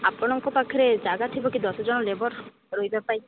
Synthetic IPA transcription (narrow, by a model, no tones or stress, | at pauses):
apɔɽ̃ɔŋkɔpakʰɔɾed͡ʒaɡat̪ʰibokid̪ɔsɔd͡ʒɔnɔlebɔɾ | ɾojbapaj